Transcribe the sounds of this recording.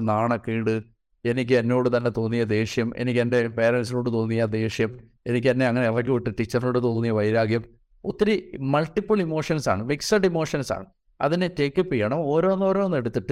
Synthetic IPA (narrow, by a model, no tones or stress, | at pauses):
naːɳɐkːiːɽɨ | e̞nikʲːɨenːo̞ːɽɨt̪ɐnːet̪o̞ːnːijːɐd̪e̞ːʂjɐmḛnikʲːende̞pe̞ːɾɐns̬ino̞ːɽɨt̪o̞ːnːijɐd̪e̞ːʂjɐm | e̞nik̪ʲːɐnːe̞ɐŋːɐneɐlːɐk̬ːɨʋiʈːɨʈit͡ɕːɐrnoːɽɨt̪o̞ːnːijɐʋɐjɾaːɡjɐm | ot̪ːiɾimɐlʈːipːulimoːʂɐnsa̰ːɳɨʋiksɐʈːimo̞ːʂɐnsa̰ːɳɨ | ɐ̰ðinetekːɨpːijːɐɳɐmo̞ːɾo̞ːnːoːɾo̞ːnːe̞ɽut̪ːiʈːɨ